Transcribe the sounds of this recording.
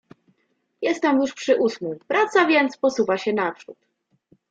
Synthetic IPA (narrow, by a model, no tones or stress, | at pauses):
jɛst̪ːɛmjuʂpʂɘʔusmɛjpɾat̪savʲjɛnt̪spɔsuvaɕɛnapʂṵt̪